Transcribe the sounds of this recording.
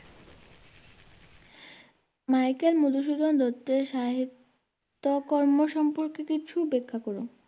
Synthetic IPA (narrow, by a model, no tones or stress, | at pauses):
majkelmud̪uʃ̬ud̪ʱond̪ot̪ːeʃaɦit̪ː | okɔɾmoʃɔmpoɾkekit͡ɕʰubekʰːakoɾu